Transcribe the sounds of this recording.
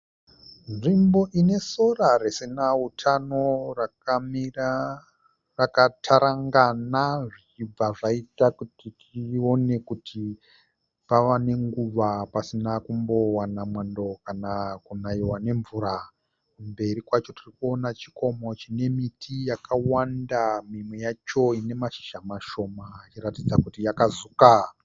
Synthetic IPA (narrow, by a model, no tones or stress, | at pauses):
nʐimbo̞ʔine̞so̞rarisinautʰanoram | rakatʰaɾaŋɡanaʐit͡ʃib͡vaʐaitakutitʰio̞ne̞kutʰi | paʋane̞ŋɡuʋapasinakumbo̞wanamwando̞kanakunaiwane̞ɱvuɾa | kumbe̞ɾikwat͡ʃo̞tirikuo̞nat͡ʃi̥ko̞mo̞t͡ʃine̞mitʰijakʰawandamimwe̞jat͡ʃo̞ine̞maʃi̥ʒamaʃo̞mat͡ʃiratid͡zakutijakazuka